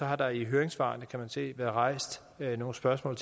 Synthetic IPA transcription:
ɒ̽ɦɑ̈d̥ɑ̈iɦøːɐeŋsʋɑ̰̈ːnəkʰæmænse̝̰ːʋæːɐðˠʁɑ̈ɪ̰sd̥ | no̝ːn̩sb̥ɶɐsmɔ̰̽ːlt͡sʰ

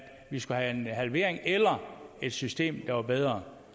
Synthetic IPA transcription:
ʋisɡ̥uhæenɦælʋe̝̰ɐeŋelɐe̝d̥sysd̥e̝̰ːmd̥ɑ̈ʋɑ̈b̥eð̞ˠʁɐ

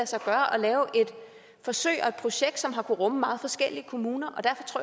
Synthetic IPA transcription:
æsɑ̈ɪɡ̥ɶːɐʔɒ̽lɛːʊʔe̝d̥ | fɒ̽sø̰ɪ̰ɒ̽e̝d̥̚pʰʁo̝ɕeɡ̥d̥sɒ̽mɦɑ̈kʰuʁɔ̽məmɑ̈ːð̞̩ˠfɒ̽sɡ̥el̰iəkʰo̝muːnɐʔɒ̽d̥æɐfɒ̽t͡sʰʁo̰

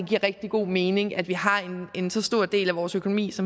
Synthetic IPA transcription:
ɡ̥iɐ̰ʁɛɡ̥̚d̥iɡ̥o̝̰ːme̝ːne̝ŋæd̥ʋiɦɑ̈ene̝nsɒ̽sd̥o̝ɐ̰d̥e̝̰ːlæʋɒːsøkʰo̝no̝mḭːsɒ̽m

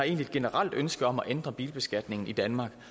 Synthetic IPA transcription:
ɑ̈e̝̰ːnlied̥̚ɡ̥e̝nəʁɑl̰d̥ønsɡ̥əɒ̽mæʔend̥ʁɐb̥iːlb̥e̝sɡ̥æd̥ne̝ŋn̩id̥ænmɑ̈ːɡ̥

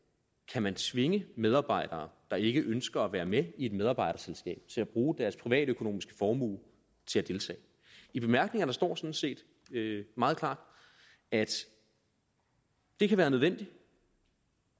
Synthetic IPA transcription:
kʰæmænt͡sʰʋe̝ŋəmeð̞ˠɑ̈ːb̥ɑ̈ɪ̰d̥ɐːd̥ɑ̈e̝ɡ̥əʔønsɡ̥ɐæʋæːɐmeie̝d̥með̞ˠɑ̈b̥ɑ̈ɪ̰ɾ̥ɐselsɡ̥ɛ̰ːb̥̚t͡sʰe̝læb̥ʁuːd̥æɐspʰʁiʋɛ̰ːɾ̥økʰo̝no̝̰ːmisɡ̥ə̥fɒːmṵːl | t͡sʰe̝læd̥e̝lt͡sʰɛ̰ː | ib̥e̝mæɐɡ̥ne̝ŋɐ̥ɑ̈sd̥ɒ̰ːsɒ̽n̩se̝̰ːd̥ | ømɑ̈ːð̩ˠkʰl̥ɑ̰̈ːd̥ | æd̥ | d̥e̝kʰæʋæːɐnøð̞ˠʋen̰d̥i

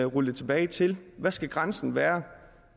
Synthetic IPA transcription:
ʁuləðˠt͡sʰe̝b̥ɛːɪt͡sʰe̝lʋæsɡ̥æɡ̥ʁɑnsn̩ʋæːɐ

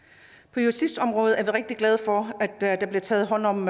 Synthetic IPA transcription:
pʰɒ̽jusisd̥ɒ̽mʁɔ̽ːð̩ˠæɐʋiʁeɡ̥d̥iɡ̥lɛð̞ˠfɒæd̥d̥ɑ̈b̥liɐt͡sʰɛ̰ːð̩ˠɦɒ̽n̰ɒ̽m

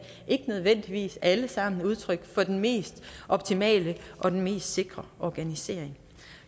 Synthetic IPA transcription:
ʔe̝ɡ̥ənøð̞ˠʋen̰d̥iʋḭːsæləsɑ̈m̰n̩uð̞ˠt͡sʰʁœɡ̥fɒ̽d̥enme̝̰ːsd̥ʔɒ̽b̥̚t͡sʰimɛ̰ːləʔɒ̽d̥enme̝̰ːsd̥se̝ɡ̥ʁɐʔɒɡ̥ænise̝ɐ̰eŋ

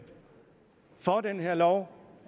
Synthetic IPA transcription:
fɒd̥enɦeɐlɒʊ

